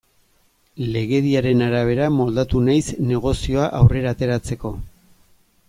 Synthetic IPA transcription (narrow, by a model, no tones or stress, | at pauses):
le̞ɣe̞ðiaɾe̞naɾaβ̞e̞ɾamo̞ld̪at̪unajsne̞ɣ̞o̞sio̞aʔawre̞ɾaːt̪e̞ɾat͡se̞ko̞